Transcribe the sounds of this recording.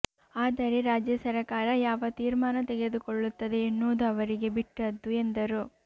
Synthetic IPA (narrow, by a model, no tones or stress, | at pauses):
aːd̪ɐɾeɾaːd͡ʒjɐsɐɾɐkaːɾɐjaːʋɐt̪iːɾmaːnɐt̪ɛɡe̞d̪ukoɭːut̪ːɐd̪e̞ːnːoːd̪uɐʋɐɾiɡe̞biʈːɐd̪ːue̞nd̪ɐɾu